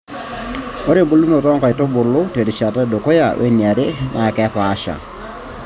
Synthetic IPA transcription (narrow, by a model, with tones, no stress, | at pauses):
o˦ɾe˦mbu˦lu˦no˨tɔ˦ŋkɔ˨ɪ˨to˦bʊ˨lʊ˦te˨ɾi˨ʃa˨tɛ˦do˨kɔ˦ja˨wʔḛ˦ni˨a˨ɾe˦nʔa˨kɛ˦pa˦ʃa̰˨